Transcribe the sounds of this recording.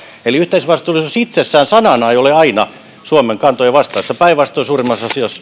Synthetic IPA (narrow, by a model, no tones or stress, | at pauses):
eliyht̪eisʋɑst̪uːlisusit̪sesːæːnsɑnɑnɑejoleɑinɑ | suomeŋkɑnt̪ojɑʋɑst̪ɑːsːɑpæiʋʋɑst̪ˑoisuːrimːɑsɑsiɑs